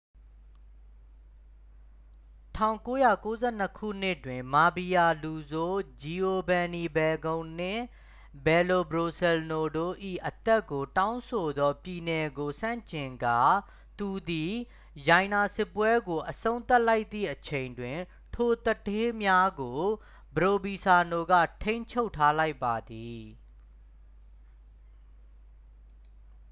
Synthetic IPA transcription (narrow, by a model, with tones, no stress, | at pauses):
tʰã˦˨ʊ̃ŋko˦ja˦˨ko˦zɛ˦˨n̥əkʰṵ˦˨n̥ɪ˦˨twɪ̃˨ma˨bi˨ja˨lu˨zo˦d͡ʑi˨ʔo˨bɛ̃˨ni˨bɛ˨ɡõ˨ʊ̃n̥ɪ̰̃˦˨ | bɛ˨lo˨bɹo˨sɛ˨lno˨do˦˨ʔḭ˦˨ʔət̪ɛ˦kːo˨tã˦ʊ̃nso˨d̪ɔ˦pji˨nɛ˨ɡo˨sã̰˦˨ɲt͡ɕɪ̃˨ŋɡa̰˦˨ | t̪u˨d̪i˨ | jã˨ɪ̃na˨sɪ˦˨pːwɛ˦ɡo˨ʔəsõ˦ʊ̃nt̪a˦ʔla˦ɪʔt̪ːḭ˦˨ʔət͡ɕʰẽ˨ɪ̃ndwɪ̃˨ | tʰo˨t̪ətʰe˦mja˦ɡo˨ | bəɹo˨bi˨sa˨no˨ɡä̰˦˨tʰẽ˦ɪ̃ɲt͡ɕʰo˦ʊtʰːa˦la˦ɪpːa˨d̪i˨